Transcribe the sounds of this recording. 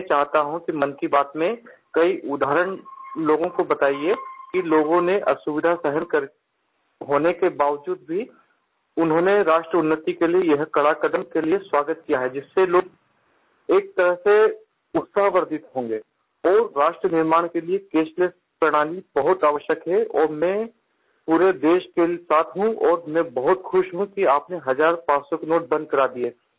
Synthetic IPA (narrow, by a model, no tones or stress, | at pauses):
ɛ̃t͡ʃaːɦt̪aɦũkimɐnkibaːt̪mẽkɐiʔʊd̪ʱaːɦɾəɽ̃loːɡõkobɐt̪aːiekiloːɡõneʔɐ̰sʊʋɪd̪ʱasɛɦənkəɾ | ɦoːnekebaːʋəd͡ʒuːd̪̚bʱi | ʊnɦõːneɾaːʃʈɾəʊnːət̪ikeliejɐɦkɐɽaːkəd̪əmkelieswaːɡət̪̚kijaɦɛd͡ʒɪsːeloːɡ̚ | eːk̚t̪ɐɾəɦse | ʊt̪saɦʋəɾd̪ɪt̪ɦõːŋɡeː | ɔːɾːaːʃʈɾənɪɾmaːɽ̃keliekeːʃles | pɾɐɽ̃aːnibɐɦʊt̪aːʋəʃjəkɦɛɔːɾmɛ̃ | puːɾed̪eːʃkesaːt̪ʰɦũɔːɾmɛ̃bɐɦʊt̪xʊʃɦũkiaːpneɦɐzaːɾpaːt͡ʃsokenoːʈ̚bɐ̃nd̪̚kɐɾaːd̪ie